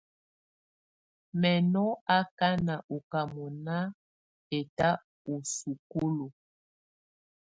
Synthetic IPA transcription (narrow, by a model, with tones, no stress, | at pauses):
mɛ˨nɔ˦a˦ka˦na˨ʔo˨ka˨mɔ˨na˦ | e˨ta˦ | o˨su˨ko˦lo˨